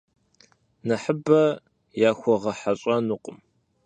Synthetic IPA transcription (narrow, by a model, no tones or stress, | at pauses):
nɐħəbɐ | jaːxʷɔʁɐħaɕʼɐnuqʼʊm